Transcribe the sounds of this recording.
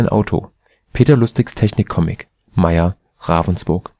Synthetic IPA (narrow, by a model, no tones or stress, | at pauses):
ɪnʔa̰ʊtʰo̰ː | pʰeːtɐlʊstv̥ɪkstʰɛçnɪkʰːɔmɪ̰k | maɪɐ | ʁaːvn̩sb̥ʊɐk